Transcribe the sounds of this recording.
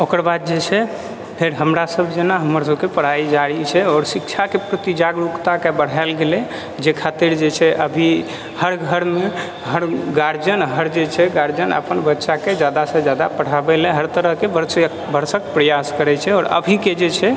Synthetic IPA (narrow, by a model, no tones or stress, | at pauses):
okəɾbad̪̚d͡ʒet͡ʃʰɛ | pʰeɾɦəmɾasəbʱd͡ʒenaɦəməɾsəbkepəɽ̤ɦaid͡ʒaɽit͡ʃʰɛɔːɾsikt͡ʃʰakepɾət̪id͡ʒaɡɾukt̪akebəɽ̤aɪlɡelɛ | d͡ʒekʰat̪iɾd͡ʒet͡ʃʰɛʔəbʱi | həɾɡʱəɾme | ɦəɾɡaɾd͡ʒənɦəɾd͡ʒet͡ʃʰɛɡaɾd͡ʒənə̰pənbətːʃaked͡ʒad̪asə̃d͡ʒad̪apəɽ̤abɛlɛ̃ɦəɾt̪əɾəɦkebʱəɾs | bʱəɾsəkpɾəjaskəɾɛt͡ʃʰɛɔɾə̰bʱiked͡ʒet͡ʃʰɛ